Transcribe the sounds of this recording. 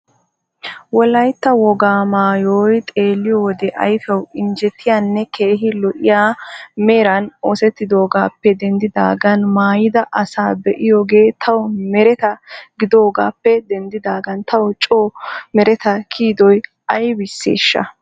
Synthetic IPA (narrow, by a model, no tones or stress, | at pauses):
wɔlɐjt̪ːɐwɔɡaːmaːjoːjt̪ʼe̞ːlːɪjoːd̪ɛʔɐjfɛwɪnd͡ʒɛt̪ʰːɪjanːɛke̞ːɦɪlɔʔɪ̰jaːmeːɾɐnoːsɛt̪ːɪd̪o̞ːɡaːpːɛd̪ɛnd̪ɪd̪a̰ːɡɐnmaːjɪd̪ɐʔɐsaːbɛʔɪjoːɡe̞ːt̪ʰɐwɔmɛɾɛt̪ɐɡɪd̪o̞ːɡa̰ːpːɛd̪ɛnd̪ɪd̪aːɡɐnt̪ɐwɔt͡ʃʼoːmɛɾɛt̪ɐkʰiːd̪ɔj | ʔɐjbɪsːḛːʃːɐ̰